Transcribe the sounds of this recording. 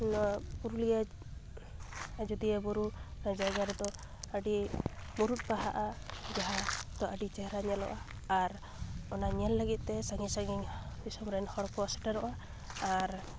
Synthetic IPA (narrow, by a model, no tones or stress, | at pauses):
nuɾulija | d͡ʒɔd̪iɛbɔɾunad͡ʒaɡaɾɛd̪ɔ | əɖimuɾut̪̚paɦaʔad͡ʒaɦad̪ɔʔəɖit͡ʃɛɦɾaɲɛlɔ̰ʔaː | ɾ | ɔnaɲɛlːəɡit̪̚ˀt̪ɛsaŋisaŋi | bisɔmɾanhɔɽkɔasɛ̥ʈaɾɔʔaː | ɾ